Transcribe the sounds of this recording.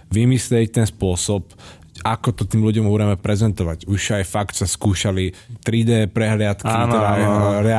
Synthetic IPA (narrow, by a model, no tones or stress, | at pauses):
ʋimislɛct̪ɛnspʊɔsɔp | akɔt̪ɔt̪iːmluɟɔmɦɔɾɛmɛpɾɛzɛnt̪ɔʋaɟuʃajfakt̪saskuːʃalit̪ɾid̪ɛːpɾɛɦlɪat̪kianɔɾajɾɛ